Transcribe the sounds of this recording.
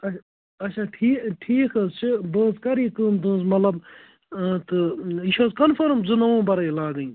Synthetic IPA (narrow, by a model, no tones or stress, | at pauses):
ɐ | ɐt͡ʃʰaːʈʰiːʈʰiːkɐzt͡ʃʰɨbəːzkɐɾiːkɨːmt̪ũːzmɐt̪lɐb | t̪ɨiʃoːzkɐnfʰɐɾmzɨnɐʋõːbɐɾɐjlaːɡɐĩ